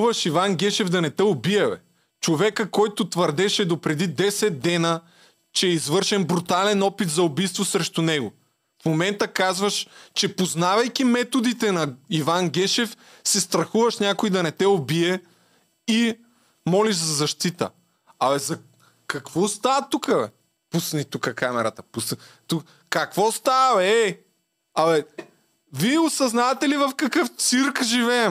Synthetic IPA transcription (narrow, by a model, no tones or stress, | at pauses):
vɐʃivanɡʲɛʃɛvd̪ɐnɛt̪ɛobiɛvɛ̰ | t͡ʃovɛkəkɔjt̪ʊt̪vəɾd̪ɛʃɛd̪opɾɛd̪id̪ɛsɛd̪̚d̪ɛnə | t͡ʃɛːizvɤɾʃɛnbɾut̪alɛnɔpit̪zɐobijst̪vosɾɛʃt̪unɛɡʊ | fmomɛnt̪əkazvɐʃt͡ʃɛpoznavɐjkʲimɛt̪od̪it̪ɛnɐivanɡʲɛʃɛf | sɛst̪ɾɐxuvɐʃnʲakʊid̪ɐnɛt̪ɛobiɛ | i | mɔliʒzɐzɐʃt̪it̪ə̰ | ɐɛzɐ | kɐkvɔst̪avɐt̪ukəɛ | pusnit̪ukəkamɛɾɐt̪əpust̪u | kːɐkvɔst̪aɛ | ɐɛ | viɛosɐznavɐt̪ɛlivɐfkɐkɤft̪siɾkʒivɛːm